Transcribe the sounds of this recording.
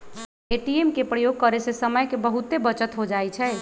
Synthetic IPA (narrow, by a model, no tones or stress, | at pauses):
eʈiemkepɾəjoɡ̚kəɾesesəməjkebəɦut̪ebət͡ʃət̪ɦod͡ʒajt͡ʃʰɛ